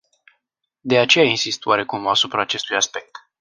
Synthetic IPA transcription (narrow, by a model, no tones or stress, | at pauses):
d̪e̞at͡ʃe̞jainsist̪waɾe̞kumasupɾaːt͡ʃe̞st̪ujaspe̞k̚t̪